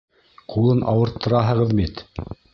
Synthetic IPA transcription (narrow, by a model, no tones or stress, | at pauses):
qulˠɤnʔɑ̰wɤ̆ɾt̪ʰːɤ̆ɾɑɦɤ̆ʁɤðmit̪